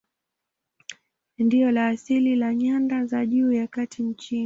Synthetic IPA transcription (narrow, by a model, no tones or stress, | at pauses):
ndiɔlaːsililaɲandazaʄuːjakatʰint͡ʃini